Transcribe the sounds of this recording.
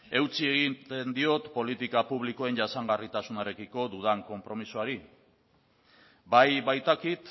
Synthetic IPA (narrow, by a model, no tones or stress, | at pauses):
e̞wt͡sie̞ɣit̪end̪io̞t̪po̞lit̪ikapuβliko̞e̞nʝasaŋɡarit̪asunaɾe̞kiko̞d̪uð̞aŋko̞mpɾo̞misuaɾi | bajβajt̪akit̪